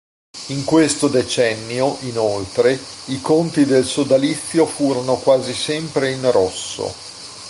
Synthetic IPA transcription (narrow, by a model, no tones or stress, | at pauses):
iŋkwest̪od̪et͡ʃɛnːjoʔinolt̪ɾe | ikont̪id̪elsod̪alit̪sːjofuːɾonokwaːzisɛmpɾeinrɔsːo̰